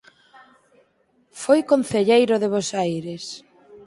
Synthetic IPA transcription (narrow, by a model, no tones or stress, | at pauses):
fojkon̟θeʎejɾʊðeβosajɾes